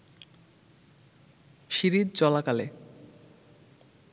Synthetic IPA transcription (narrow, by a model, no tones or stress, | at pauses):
ʃiɾid̪̚t͡ɕɔlakale